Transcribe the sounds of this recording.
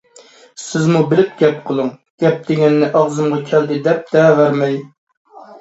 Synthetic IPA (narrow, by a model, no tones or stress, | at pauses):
sɪzmubɪlɪp̚ɡʲɛp̚qʰəlˠɨŋɡ̥ʲɛp̚d̪ɪɡʲɛnːɪʔɑʁzɨmʁɑkʲʰɛld̪ɪd̪ɛp̚d̪̥ɛvæɾmɛj